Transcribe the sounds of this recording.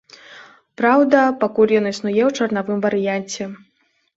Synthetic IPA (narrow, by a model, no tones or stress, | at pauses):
pɾawd̪ɐpakulʲjɔnisnujɛwt͡ʂɐrnavɨmvɐɾɨjanʲt͡sʲɛ